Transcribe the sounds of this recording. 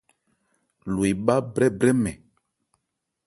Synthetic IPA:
lwe˨ɓa˦bɾɛ˦bɾɛ˦mɛ˨

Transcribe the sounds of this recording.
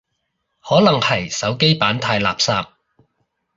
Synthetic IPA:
hɔː˨˥lɐ˨˩ŋhɐ˨˩jsɐ˨˥wke˥jpaː˨˥nt̪ʰaː˧jla̰ː˨psaː˧p̚

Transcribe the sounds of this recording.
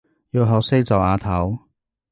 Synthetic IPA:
jiː˧wɦɐ˨˧wse˥jt͡sɐ˨˩waː˨˧t̪ʰɐ˨˥w

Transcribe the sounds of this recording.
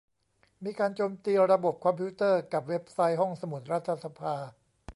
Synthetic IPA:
miː˧kaː˧nt͡ɕoː˧mt̪iː˧ɾa˧bo˨˩p̚kʰɔ˧mpʰi˦˥t̪ɤː˥˩ka˨˩p̚we˦˥p̚sa˦˥jɦɔ˥˩ŋsa˧mu˨˩˦t̪̚ɾa˦˥t̪ʰːa˧sa˧pʰaː˧

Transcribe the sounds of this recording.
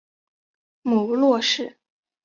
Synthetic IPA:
mu˨˩lwɔ˥˧ʂɻ̩˥˩

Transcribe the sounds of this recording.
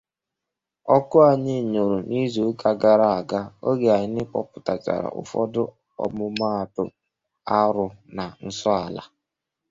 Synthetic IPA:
ɔ˦kʊ˦a˨ɲɪ˦˨ɲo˨ɾu˨ni˦zo˨˦ka˦ɡa˦ɾa˦˨a˨ɡa˦o˦ɡe˨a˨ɲɪ˦nɪ˦k͡pɔ˦pʊ˨ta˨t͡ʃa̰˨ɾa̰˨ʔʊ̰˨fɔ˦dʊ˦ | ɔ̰˨mʊ˦ma˦˨tʊ˨ | a˦ɾʊ˨na˨n̩˦sɔ˦a˨la˨

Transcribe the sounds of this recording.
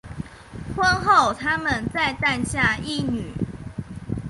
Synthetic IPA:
xwə˦nxo˥˨ʊt̪ʰa˦mə˨nt͡sa˥˧ɪt̪a˥˧nɕja˥˨i˥˨ny˨˩˦

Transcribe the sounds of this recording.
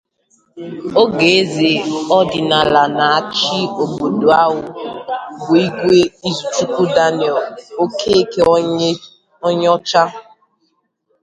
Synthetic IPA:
o˦ɡe˨e˦ze˨ɔ˦dɪ˨na˨la˨na˨a˦˨t͡ʃi˦o˨bo˨do˨a˦ɦʊ˦bʊ˨i˦ɡʷe˦i˦zu˨t͡ʃu˦kʷu˦da˦nɪ˨ɔ˨lo˦ke˦e˦ke˦ | ɔ˦ɲ˦ɔ˦t͡ʃa˦

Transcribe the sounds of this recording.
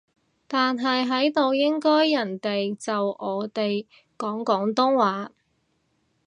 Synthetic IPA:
t̪aː˨nɦɐ˨jɦɐ˨˥jt̪o˨wjɪ˥ŋkɔː˥jːɐ˨˩nt̪e˨jt͡sɐ˨wɔː˨˧t̪e˨j | kɔː˨˥ŋkɔː˨˥ŋt̪ʊ˥ŋwaː˨˥

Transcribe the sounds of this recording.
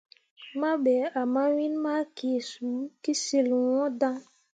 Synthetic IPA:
ma˦ɓɛ˨˦a˨ma˦wi˦nma˦kʰe˨su˨˦ki˦si˨lwɔ̃˦dã˦ŋ

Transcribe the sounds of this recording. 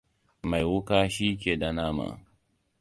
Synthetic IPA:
ma˨jwʊ˦kaː˦ʃiː˦kʲeː˨da˨naː˦ma̰˨

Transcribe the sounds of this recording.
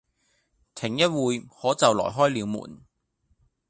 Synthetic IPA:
t̪ʰɪ˨˩ŋjɐ˥t̚wuː˨˧jhɔː˨˥t͡sɐ˨wlɔ̰ː˨˩jɦɔː˥jliː˨˧wmṵː˨˩n

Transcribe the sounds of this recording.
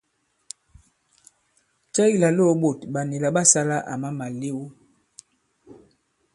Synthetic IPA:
t͡ʃɛ˦i˦la˨lo˦ɓo˨tɓa˨ne˨la˨ɓa˦sa˦la˦ʔa̰˨ma˦ma˨le˦wu˦

